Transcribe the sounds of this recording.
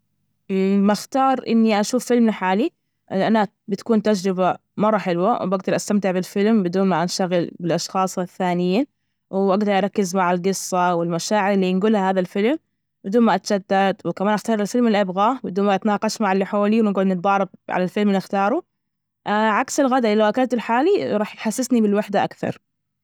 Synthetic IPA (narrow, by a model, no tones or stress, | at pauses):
maxt̪ɑːɾˤʔɪ̰nːiʔaʃuːfːɪlmnaħaːli | ʔɪʔana | bɪt̪ḁkuːnt̪ad͡ʒɾɪba | mɑrˤːɑħɪlwawbaɡd̪ɑɾˤʔast̪amt̪ɪʕbɪlfɪlmbɪd̪uːnmaʔanʃt̪aɣɪlbɪlʔɑʃxɑːsˤɪθːaːnɪjːa | wʔaɡd̪ɑɾˤʔɑɾˤɑkːɪzmaʕalɡɨsˤːɑwɪlmaʃaːʕɪɾɪlːiːnɡuːlhahaːðalfɪlm | bɪd̪uːnmaʔat̪d͡ʒad̪ːad̪wɪkamaːnʔaxt̪ɑːɾˤɪlfɪlmɪlʔabɣabɪd̪uːnmaʔat̪nɑːqɑʃmaʕalːħoːliwɪnɡuːlnɪt̪̚d̪ˤɑːɾˤɑb̚ʕa̰lalfɪlmɪlɪxt̪ɑːɾˤu | ʔʕaksɪlɣad̪aʔɪlːawʔakalt̪ʊlħaːliɾˤɑːħjħasːɪsnibɪlwɪħd̪aʔakθɑ̰ɾˤ